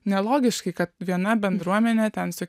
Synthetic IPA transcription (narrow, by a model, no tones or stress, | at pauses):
nʲɛlˠoːɡʲɪʃkɐɪkɐt̪ʋʲiɛnɐbʲɛnd̪ɾuɔmʲɛnʲeːt̪ʲɛnsʲʊ